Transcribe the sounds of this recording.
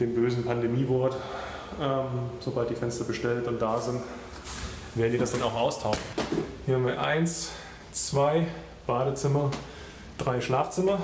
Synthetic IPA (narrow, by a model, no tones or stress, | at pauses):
d̥eːmbøːzn̩pʰandemiːvɔɐt | ʔɛːmz̥obalt̚d̥iːfɛnstɐbəʃtɛlnʊnt̚d̥aːzɪnt | veːɐdn̩ziːdasd̥anaʊxʔaʊstʰaʊʃn̩hiːɐhamviːɐʔa̰ɪns | t͡sv̥aɪ | b̥aːdət͡sɪmɐ | d̥ʁaɪʃlaːft͡sɪmɐ